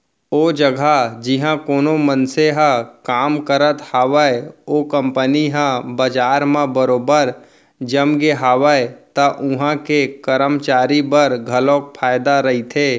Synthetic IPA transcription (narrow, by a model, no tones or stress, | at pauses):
oːd͡ʒəɡʱad͡ʒɪɦãkoːnomənseɦãkaːmkəɾət̪haːʋəeoːkə̃mpəniɦãbəd͡ʒaːɾmãbəɾoːbəɾ | d͡ʒəmɡeɦaːʋəet̪əʔʊɦãkekəɾəmt͡ʃaːɾibəɾɡʱɐlõːk̚pʰaːɪd̪aɾɐɦit̪ʰeː